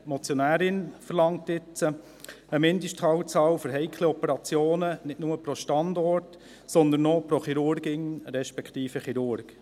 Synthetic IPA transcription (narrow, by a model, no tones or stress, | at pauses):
mɔt͡sjɔnæːɾɪnfəɾlɑŋtɪt͡sə | əmɪnd̪əʃthɑːwt͡sɑːwfɔɾɦɛɪkʰleɔpɛɾɑt͡sjoːnənɪtnʊməpɾoʃtɑnd̪ɔɾt | sɔnd̪ənːɔpɾoχiɾʊɾɡɪŋɾɛʃpɛkʰtiːfəχiɾʊɾɡ̥